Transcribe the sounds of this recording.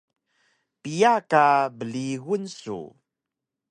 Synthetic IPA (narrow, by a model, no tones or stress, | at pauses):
pijakabəliɣunsṵ